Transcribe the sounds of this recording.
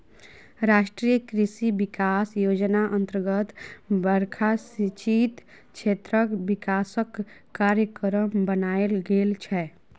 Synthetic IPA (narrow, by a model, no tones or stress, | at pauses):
ɾaʃʈɾijəkɾisibikasjod͡ʒnaʔənt̪əɾɡət̪bəɾkʰasit͡ʃit̪ | t͡ʃʰet̪ɾəkbikasəkː | aɾjəkɾəmbənaelɡelt͡ʃʰɛ